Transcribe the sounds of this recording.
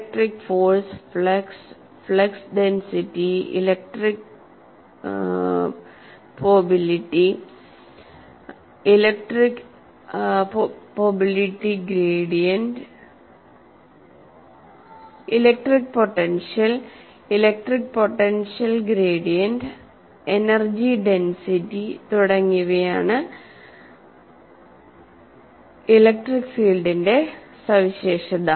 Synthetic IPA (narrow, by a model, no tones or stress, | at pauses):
k̚ʈɾikfoːɾsflɐks | flɐksɖensiʈːiḭlek̚ʈɾik̚ | pobiliʈːi | ilek̚ʈɾik | poːbiliʈːiɡɾeːɖijɐɳʈ | ilɐk̚ʈrik̚poʈːenʂɐl | ilɐk̚ʈrik̚poʈːenʂɐlɡɾeːɖijɐndɨ | enɐrd͡ʑiɖensitːit̪uɽɐŋːuɣɐjaːɳɨ | ilɐk̚ʈrikfiːlɖinde̞ | sɐʋiɕeːʂɐðɐ